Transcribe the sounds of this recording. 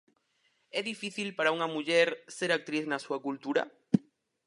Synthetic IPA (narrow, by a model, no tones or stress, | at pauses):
ɛðifiθilpaɾauŋamuʎeɾseɾak̚t̪ɾiθnasuakult̪uɾa̰